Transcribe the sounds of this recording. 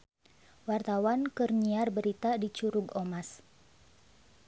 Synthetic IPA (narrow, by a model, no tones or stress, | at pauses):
wart̪awankərɲiarbəɾit̪adit͡ʃuɾʊɡomas